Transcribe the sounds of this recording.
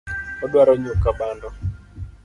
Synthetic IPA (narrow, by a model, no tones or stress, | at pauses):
ɔdwaɾoɲukabanɔ